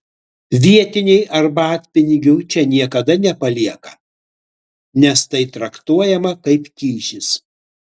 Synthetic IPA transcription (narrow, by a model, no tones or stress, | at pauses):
ʋʲiɛt̪ʲɪnʲɛɪʔɐɾbɑːt̪ʲpʲɪnʲɪɡʲuːt͡ʃʲɛnʲiɛkɐd̪ɐnʲɛpɐlʲiɛkɐ | nʲɛst̪ɐɪt̪ɾɐkt̪uɔjɛmɐkɐɪpkʲiːʃʲɪs